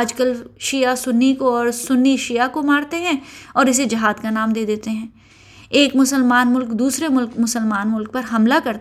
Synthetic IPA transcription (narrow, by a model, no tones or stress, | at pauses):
d͡ʒkəlʃijasʊnːikoɔːɾsʊnːiʃijakomaːɾt̪eɦɛ̃ɔːɾɪs̬ed͡ʒɐɦaːd̪kanaːmd̪eːd̪eːt̪eɦɛ̃ː | eːkmʊsəlmaːnmʊlkd̪uːsɾemʊlkmʊsəlmaːnmʊlk̚pɐɾɦɐmlakɐɾt̪